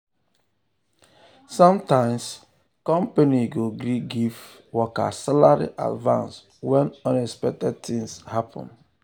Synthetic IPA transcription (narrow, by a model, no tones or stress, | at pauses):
sɔ̃mtãɪ̃ms | kɔ̃mpaniɡoɡɾiɡiv | wɔka̰salaɹḭʔa̰dvã̰ns | wɛ̃nɔ̃nɛspɛk̚tɛd̚tĩŋshapʰɔ̰̃n